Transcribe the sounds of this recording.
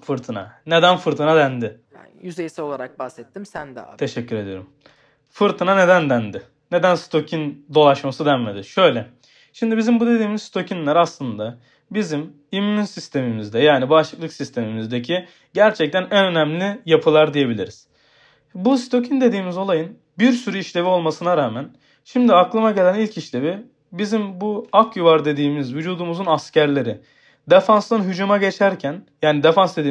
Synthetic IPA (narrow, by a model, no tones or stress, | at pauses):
fɯɾt̪ʰɯna̰ned̪ænfɯɾt̪ʰɯnad̪ænd̪ɪ | jyzejisɛo̞lˠaɾak̚bahsɛt̪ːimsænd̪t̪ʰe̞ʃɛcːyɾe̞d̪ijo̰ɾum | fɯɾt̪ʰɯnane̞d̪ænd̪ænd̪ɪ | ne̞d̪ænst̪ʰo̞cʰind̪o̞lˠaʃmasɯd̪ænme̞d̪ɪʃø̞jlʲɛ | ʃimd̪ibizimbud̪e̞d̪iːmizst̪o̞cʰinlʲæɾaslˠɯnd̪a | bizim | imyːynsist̪ʰe̞mimizd̪ɛjaːnibaʃlˠɯklˠɯksist̪ʰe̞mimizd̪ecʰi | ɟæɾt͡ʃʰɛc̚t̪ʰænænø̞næmlʲijapʰɯlˠaɾd̪ije̞bilʲḭɾiz̥ | bust̪ʰo̞cʰind̪e̞d̪iːmizo̞lˠajɯn | biɾsyɾyiʃlʲe̞vio̞lˠmasɯnaɾaːmæn | ʃimd̪iaklˠɯmaɟe̞lʲænilʲcʰiʃlʲe̞vi | bizimbuakʰjuvaɾd̪e̞d̪iːmizvyd͡ʒuːd̪umuzunascʰæɾlʲe̞ɾɪ | d̪efanslˠɯnɦyd͡ʒumaɟe̞t͡ʃʰæɾcʰænjaːnid̪efansd̪e̞d̪iː